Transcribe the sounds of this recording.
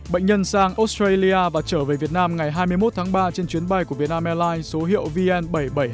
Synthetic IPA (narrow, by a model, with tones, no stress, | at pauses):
ɓə̰˧˨jŋ̟ɲə˧nsaː˧ŋʔo˨˦˥st̪ɾe˧li˧aː˧vaː˨˩t͡ɕəː˧˩veː˨˩vi˨˩ət̚naː˧mŋa˨˩jɦaː˧jmɨ˧əjmo˦˥t̚t̪ʰaː˨˦ŋɓaː˧t͡ɕe˧nt͡ɕwi˨˦ənɓa˧jku˧˩vi˨˩ət̚naː˧mʔɛ˧laː˧jnso˨˦ɦḭ˧˨əwvi˧ʔɛ˧nɓə˧˩jɓə˧˩j